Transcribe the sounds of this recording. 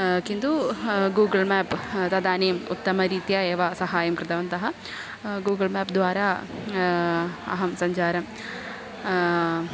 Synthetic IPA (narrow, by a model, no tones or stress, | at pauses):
kind̪uɡuːɡɐlmɛːpt̪ɐd̪aːneːmut̪ːɐmɐɾiːt̪jaːeːʋasɐɦaːjɐmpɾɐd̪ʱɐʋɐnt̪ɐɦɐ | ɡuːɡɐlmɛːpd̪ʋaːɾaː | ɐ̰ɦɐmsɐɲt͡ʃaːɾɐm